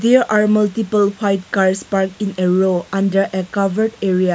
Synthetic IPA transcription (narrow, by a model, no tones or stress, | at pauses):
d̪eɾʔaɾmɐltipəlhajtkaɾspaɾkĩneɾoãndəɾʔekavəɾdeɾija